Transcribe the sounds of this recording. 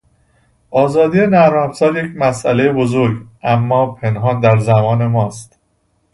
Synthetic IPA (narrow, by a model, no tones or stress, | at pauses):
ʔɒːzɒːd̪ijenæɾɒfsɒːɾje̞cʰmæsʔælejebozoɾɡʔæmːɒːpʰe̞nɦɒːnd̪æɾzæmɒːne̞mɒːst̪